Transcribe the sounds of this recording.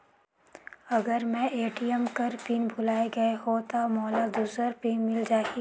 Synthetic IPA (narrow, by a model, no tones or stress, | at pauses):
ɐɡəɾmɛ̃ʔeːʈijəmkəɾpiːnbʱʊlaːeɡɐeɦot̪amɔːlad̪uːsəɾpiːnmɪld͡ʒaːki